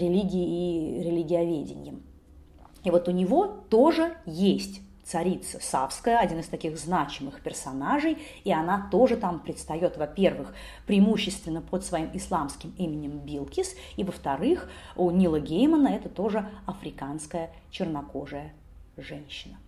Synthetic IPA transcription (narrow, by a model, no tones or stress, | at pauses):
ɾʲɪlʲiɡʲɪɪːɾʲɪlʲiɡʲɪɐvʲedʲɪ̰nʲjəm | ivo̞t̪ʊnʲɪvo̞t̪o̞ʐɨjesʲtʲt̪sɐɾʲit̪səsafskəjəɐdʲinɨst̪ɐkʲixznat͡ɕɪmɨxpʲɪrsɐnaʐɨj | iɐnat̪o̞ʐɨt̪ampɾʲɪt̪st̪ɐjo̞t̪vɐpʲe̞rvɨx | pɾʲɪɪmuɕːɪst̪vʲɪnːəpot̪svɐimɪslˠamskʲɪmimʲɪnʲɪmbʲilˠkʲɪs | ivəft̪ɐɾɨxunʲilˠəɡʲejmənəɛt̪ət̪o̞ʐɨɐfɾʲɪkanskəjə | t͡ɕɪrnɐko̞ʐɨjə | ʐɛnʲɕːɪnə